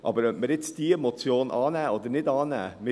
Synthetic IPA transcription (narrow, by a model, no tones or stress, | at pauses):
ʔɑ̰ːbəɾməɾɪt̪sd̪̥iːemɔt̪t͡sjoːnʔɑːnæːod̪əɾnɪd̪ɑːnæ̰ːmɪ